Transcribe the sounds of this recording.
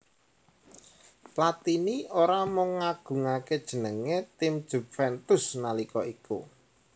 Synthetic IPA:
plat̪inioɾamɔŋːaɡ̥ṳŋaked̥ʒ̥ə̤nəŋet̪ɪmd̥ʒ̥ṳfɛnt̪ʊsnalikɔikṵ

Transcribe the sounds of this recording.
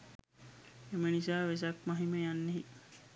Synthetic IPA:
emənisaʋes̬ak̚maɦiməjanːeɦi

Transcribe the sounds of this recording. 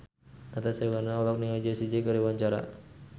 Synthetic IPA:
at̪asawanaɔlɔk̚niŋad͡ʒesid͡ʒekəɾiwaɲt͡ʃaɾa̰

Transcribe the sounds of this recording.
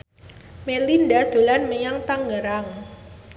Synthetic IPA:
melindad̪̥o̤lanməɲaŋt̪aŋɡəɾaŋ

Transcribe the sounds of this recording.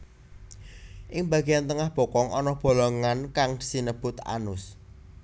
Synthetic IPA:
ʔɪŋbä̤ɡ̥ejant̪əŋahb̥ɔ̤kɔŋʔɔnɔb̥o̤lɔŋankaŋd̥i̥sinəb̥ʊt̪a̰nʊs

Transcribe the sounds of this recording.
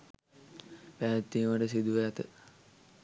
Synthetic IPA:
pæːt̪ːiːʋaɖəsid̪uʋet̪ə

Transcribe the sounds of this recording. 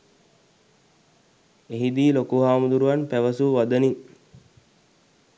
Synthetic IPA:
eɦid̪iːlokuɦaːmud̪uɾuʋanpæʋəsuʋad̪əniŋ

